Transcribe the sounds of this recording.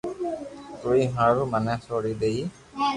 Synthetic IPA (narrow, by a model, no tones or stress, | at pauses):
t̪ujɦãɾumanasɔɽid̪ej